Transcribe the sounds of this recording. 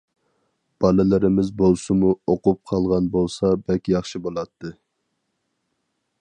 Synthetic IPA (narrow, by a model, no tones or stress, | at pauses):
b̥ɑlɪlɪɾɪmɪzbolˠsɨmuoqup̚qʰɑlˠʁɑnbolˠsɑbɛlkʲijɑχʃɨbolˠɑt̪ʰːɨ